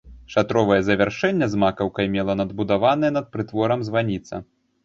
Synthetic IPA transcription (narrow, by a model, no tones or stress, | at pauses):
ʂat̪ɾɔvɐjɛzɐvʲɛrʂɛnʲːɛzmakɐwkɐjmʲɛlˠɐnɐd̪bud̪avanɨjɐnɐt̪̚pɾɨt̪vɔɾɐmzvanʲit̪sɐ̰